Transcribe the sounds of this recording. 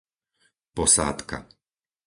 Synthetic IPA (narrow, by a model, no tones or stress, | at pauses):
pɔsa̰ːt̪ka̰